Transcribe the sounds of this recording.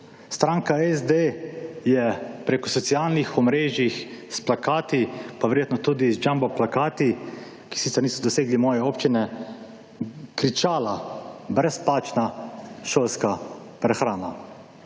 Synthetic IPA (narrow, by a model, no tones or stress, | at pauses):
st̪ɾaːŋkaɛzd̪ejɛpɾekɔsɔt̪sialnixɔmɾeːʒjixsplakaːt̪ipaʋɛɾjeːt̪nɔt̪ud̪izd͡ʒambɔplakaːt̪i | ki̥sit̪sɛɾniːsɔd̪ɔseːɡlimɔːjɛopt͡ʃinɛ | kɾit͡ʃaːlabɾɛsplaːt͡ʃnaʃolskapɾɛxɾaːna